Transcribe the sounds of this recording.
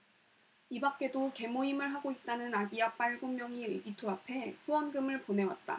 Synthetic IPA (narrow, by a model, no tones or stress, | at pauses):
ibak͈̚e̞doke̞moimɯɭɦaɡoit̚t͈anɯnaɡiap͈aɭɡomːjʌŋiḛɡitʰoapʰe̞puʌnɡɯmɯɭpone̞wa̰t̚t͈a̰